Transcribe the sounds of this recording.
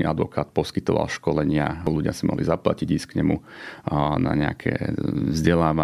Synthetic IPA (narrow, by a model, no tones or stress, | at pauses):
ad̪ʋɔkaːt̪̚pɔskit̪ɔʋa̰lʃkɔlɛɲɪaluɟɪasimɔ̰ɦlizaplaciɟiːskɲɛmṵ | na̰ɲɛa̰kʰɛ̰ːvzɟɛlaːʋa